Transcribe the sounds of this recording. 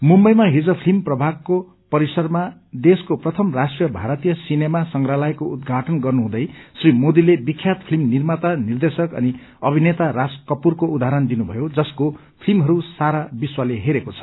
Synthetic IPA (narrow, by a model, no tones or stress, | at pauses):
mumbʌjmaɦid͡zʌpʰlimprʌbʱaɡ̚ko | pʌɾisʌrma | d̪eskoprʌt̪ʰʌmrasʈrijʌbʱaɾʌt̪ijʌsinemasʌŋɡralajkoud̪ɡʱaʈʌnɡʌrnuɦũd̪ʌjsrimod̪ilebikʰjat̪pʰilimnirmat̪anird̪esʌkʌ̰ni | ʌbʱinet̪aɾaskʌpurkoud̪aɦɾʌnd̪inubʱʌjod͡zʌsko | pʰilmɦʌɾusaɾabiswaleɦeɾekot͡sʰʌ̥